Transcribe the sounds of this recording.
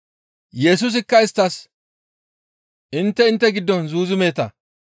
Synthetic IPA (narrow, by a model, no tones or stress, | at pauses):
jɛs̬ʊs̬ɪkːɐɪst̪ːɐs | ʔɪnt̪ːɛɪnt̪ːɛɡɪd̪ːɔnzuːzɪmeːt̪ɐ